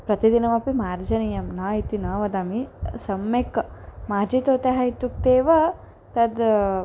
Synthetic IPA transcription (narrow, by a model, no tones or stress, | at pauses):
pɾɐt̪id̪inɐmɐpimaːɾd͡ʒɐnijɐmnaːit̪inɐːʋɐd̪aːmisɐmːekɐmaːɾd͡ʒit̪oːt̪eɦɐit̪ːuk̚t̪eːʋɐ | t̪ɐd̪